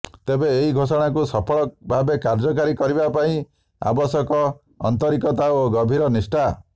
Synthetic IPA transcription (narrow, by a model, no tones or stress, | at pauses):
t̪ebeeɦiɡʱosɔɽ̃akusɔpʰɔɭɔbʱabekaɾd͡ʒɔk̬aɾikɔɾibapaĩ | a̰bɔsɔkɔ̰ː | nt̪ɔɾikɔt̪aoɡɔbʱiɾɔnisʈa